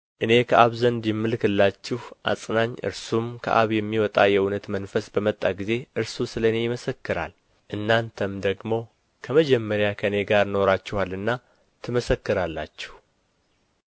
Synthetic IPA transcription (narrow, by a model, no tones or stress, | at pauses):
ʔɨne̞kʰəʔaβzənd̪jɪmːɨlkɨlːat͡ʃːɪhʔa̰sʼnaɲːʔɨ̰ɾsumkʰə̰ʔa̰βjɛmːiwɔt̪ʼajɛunət̪mənfəsbəmət̪ʼːaɡize̞ʔɨɾsusɨləɨne̞jɪməsəkːɨɾa̰l | ʔɨnːant̪ʰəmd̪əɡmo̞ | kʰəməd͡ʒɛmːəɾjakʰəɨne̞ɡaɾno̞ɾat͡ʃːɪhalːɨnːa | t̪ʰɨməsəkːɨɾalːa̰t͡ʃːɪ̥h